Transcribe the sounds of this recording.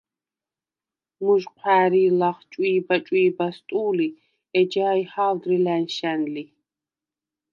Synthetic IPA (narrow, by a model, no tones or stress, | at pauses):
muʒqʷʰæːɾiːlaχt͡ʃʼwiːbat͡ʃʼwiːbast̪ʼuːli | ɛd͡ʒaːihaːwd̪rilænʃænli